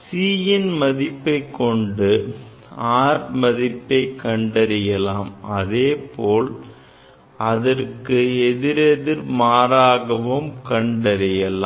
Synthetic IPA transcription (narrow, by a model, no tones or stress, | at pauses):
siːjɪnmɐðɪpːɐɪkːɔɳɖɯ | aːɾmɐðɪpːɐɪkːɐɳɖɐɾɪjɐlaːmɐðeːpoːl | ɐðɐrkɯɛðɪɾɛðɪɾmaːɾaːɣɐʋɯmkɐɳɖɐɾɪjɐlaː